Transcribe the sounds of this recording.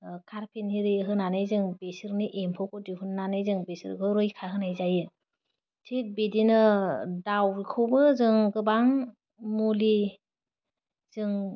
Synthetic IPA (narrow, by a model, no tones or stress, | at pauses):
kʰaɾpʰenhiɾɯɦɯnanɯjzɯŋbesɯɾniʔempʰɔkɔdiɦunːanɯjzɯŋbesɯ̰ɾɡɯɾɯjkʰaɦɯnajzajɯ | tʰet̚bedinɯdawɾikʰɔwbɯzɯŋɡɯbaŋ | muli | zɯŋ